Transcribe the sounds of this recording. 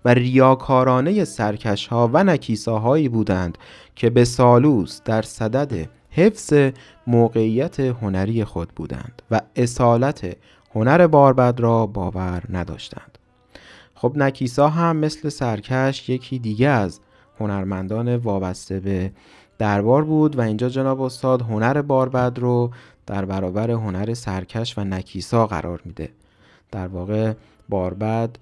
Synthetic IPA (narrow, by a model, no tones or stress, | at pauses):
værijɒːkʰɒːɾɒːne̞je̞sæɾcʰæʃhɒːvænæcʰiːsɒːɦɒːiːbuːd̪ænd̪̥ | cʰe̞be̞sɒːluːsd̪̥æɾsæd̪æd̪e̞̰ | he̞fz̥e̞ | moːɣe̞ijːæt̪ʰeɦo̞næɾiːje̞xo̞d̪̚bṵːd̪æ̰nd̪̥væe̞sɒːlæt̪ʰe̞ | ho̞næɾe̞bɒːɾbæd̪ɾɒːbɒːvæɾnæd̪ɒ̰ːʃt̪æ̰nd̪̥ | xo̞bnæcʰiːsɒːɦæmːe̞sle̞sæɾcʰæʃje̞cʰiːd̪iːɟeæz | ho̞næɾmænd̪ɒːne̞vɒːbæst̪e̞be̞ | d̪̥æɾbɒːɾbuːd̪væiːnd͡ʒɒːd͡ʒe̞nɒːbeost̪ɒːd̪ɦo̞næɾe̞bɒːɾbæd̪ɾo | d̪̥æɾbæɾɒːbæɾe̞ɦo̞næɾe̞sæɾcʰæʃvænæcʰiːsɒːɣæ̰ɾʔɒ̰ːɾmiːd̪e̞̰ | d̪̥æɾvɒːɣe̞ | bɒːɾbæd̪̥